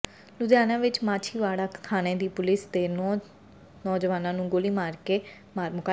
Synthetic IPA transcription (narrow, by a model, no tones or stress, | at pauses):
lʊd̪jaːnãːʋɪt͡ʃmaːt͡ʃʰiːʋaːɽaːkk̪ʰaːnẽːd̪iːpʊlɪst̪eː | nɔːd͡ʒʋaːnãːnũːɡoliːmaːɾkeː | maːɾmʊka